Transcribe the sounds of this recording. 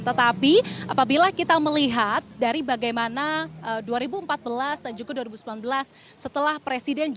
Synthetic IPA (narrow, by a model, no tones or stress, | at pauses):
t̪ət̪apiʔapabilakit̪aməliɦat̪̚daɾibaɡajmanaʔəduaɾibuəmpat̪̚bəlasdand͡ʒuɡaduaɾibusəmlanbəlasː | ət̪əlahpɾesidɛnd͡ʒ